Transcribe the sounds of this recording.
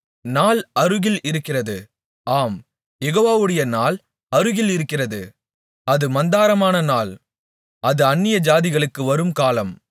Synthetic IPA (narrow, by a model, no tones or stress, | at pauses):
naːlɐɾɯɣɪlɪɾɯkːɪrɐðɯ | aːm | jɛɣoːʋaːʋɯɽɐjɐnaːl | ɐɾɯɣɪlɪɾɯkːɪrɐðɯ | ɐðɯmɐnd̪aːɾɐmaːnɐnaːl | ɐðɯɐnːɪjɐd͡ʒaːðɪɣɐɭɯkːɯʋɐɾɯmkaːlɐm